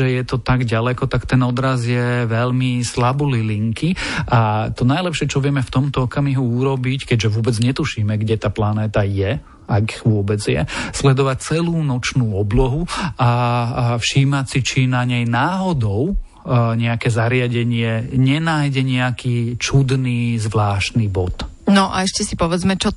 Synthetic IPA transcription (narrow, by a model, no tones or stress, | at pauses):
ɛjɛt̪ɔt̪aɡɟalɛkɔt̪akt̪ɛnɔd̪ɾazjɛʋɛʎmislabuliliŋkiʔat̪ɔnajlɛpʃɪɛt͡ʃɔʋɪɛmɛft̪ɔmt̪ɔɔkamiɦuuɾɔbickɛɟʒɛʋʊɔbɛd͡zɲɛt̪uʃiːmɛɡɟɛt̪aːplanɛːt̪ajɛ | aɡiʋʊɔbɛd͡zjɛ̰slɛd̪ɔʋac̚t͡sɛluːnɔt͡ʃnuːɔblɔɦuafʃiːmasit͡ʃinaɲɛjnaːɦɔd̪ɔʊ | ɲɛakɛːzaɾɪaɟɛɲɪɛɲɛnaːjɟɛɲɛakiːt͡ʃud̪niːzʋlaːʃt̪niːbɔt̪ | nɔʔa̰ɛʃcɛsipɔʋɛd͡zmɛt͡ʃɔ